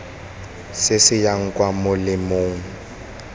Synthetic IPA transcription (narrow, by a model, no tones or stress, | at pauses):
sɪsɪjaŋ̩kʼwamʊlɪmoːŋ̩